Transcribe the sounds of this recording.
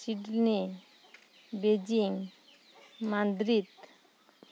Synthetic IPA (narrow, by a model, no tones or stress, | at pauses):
siɖni | bed͡ʑiŋ | mand̪ɾit̪